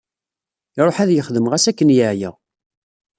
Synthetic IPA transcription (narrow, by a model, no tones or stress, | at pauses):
iɾˤoħæðjəχðəmʁæsækːənjəʕjæ̰